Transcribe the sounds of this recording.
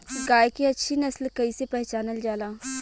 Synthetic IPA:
ɡaːjkiɐtːʃʰinɐslkɐisepɛɦt͡ʃaːnəld͡ʒaːlaː

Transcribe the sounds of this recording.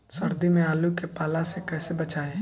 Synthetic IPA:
sɐɾd̪imẽaːlukepaːlasekɛːsebɐt͡ʃaːe

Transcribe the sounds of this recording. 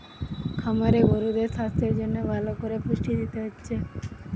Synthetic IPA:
kʰəmaɾeɡoɾud̪esast̪ʰeɾd͡ʒonebʱalokoɾepuʃʈid̪it̪eɦɔtːʃʰe

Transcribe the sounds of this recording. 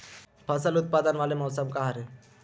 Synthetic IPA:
pʰasəlut̪̚pad̪ənʋalemɔwsəmkaɦaɾe

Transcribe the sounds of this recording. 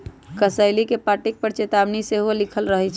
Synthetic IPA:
kəsəɪlikepaʈek̚pəɾt͡ʃet̪abniseɦolikʰəlɾəɦɛt͡ʃʰ

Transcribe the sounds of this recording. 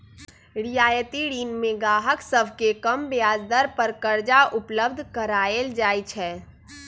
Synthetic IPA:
ɾijaːjət̪iɽiːnmẽɡaːɦəksəbʱkekəmbjaːd͡ʒd̪əɾpəɾkəɾd͡ʒaʊpləbd̪ʱkəɾaːeld͡ʒaːjt͡ʃʰɛː

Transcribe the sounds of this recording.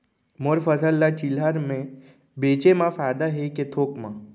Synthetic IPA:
moɾfəsəlːat͡ʃilaɾmẽ | beːt͡ʃemãfaːjd̪aɦeket̪ʰoːkmã

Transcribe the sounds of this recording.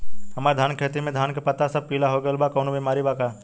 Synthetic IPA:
ɦɐmaːɾd̪ʱaːnkʰeːt̪imẽd̪ʱaːnkepɐt̪asɐb̚piːlaɦoɡəlbakɔːnobimaːɾibakaː

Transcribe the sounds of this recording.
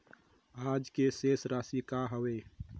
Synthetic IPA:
aːd͡ʒkeseːsɾaːsikaɦəweː

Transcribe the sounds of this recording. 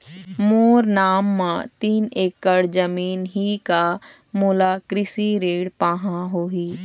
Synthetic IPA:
moːɾnaːmːãt̪iːneːkːəɽd͡ʒəmiːnɦika | mʊːlaːkɾɪsiɾeːɽpãːɦãɦoːɦiː

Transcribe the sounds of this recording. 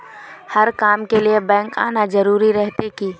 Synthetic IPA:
hɐɾkaːmkeliebɛ̃ːŋka̰ːnad͡ʒɐɾuːɾiɾɛɦt̪ekiː

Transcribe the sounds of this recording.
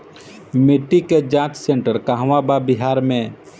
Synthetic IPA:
mɪʈːiked͡ʒãːt͡ʃsẽɳʈəɾkaɦʋababɪɦaːɾmẽ

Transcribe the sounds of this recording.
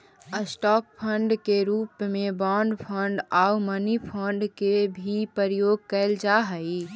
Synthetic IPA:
əsʈɔːk̚pʰːəɳɖkeɾuːpmẽbaːɳɖpʰəɳɖaːumənipʰəɳɖkebʱipəɾjoːɡ̚kəɪld͡ʒaɦəi

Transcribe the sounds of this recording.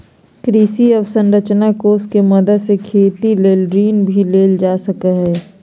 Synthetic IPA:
kɾiːsiɔbsə̃nɾət͡ʃnakoːskemɐd̪əd̪sekʰeːt̪ileːlɖɾiːnbʱileːld͡ʒaːsəkəɦɛː

